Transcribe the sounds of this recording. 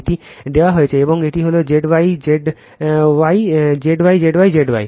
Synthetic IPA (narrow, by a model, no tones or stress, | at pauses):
ʈid̪ewaɦoet͡ɕʰeeboŋeʈiɦolod͡ʑeɖbajd͡ʑeɖ | wajd͡ʑeɖwajd͡ʑeɖwajd͡ʑeɖba̰j